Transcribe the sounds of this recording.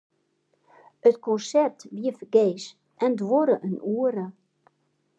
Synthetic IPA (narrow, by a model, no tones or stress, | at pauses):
ətkɔnsɛrtʋiəfəɡeːs | ʔɛndʋoɾəʔənʔuːəɾə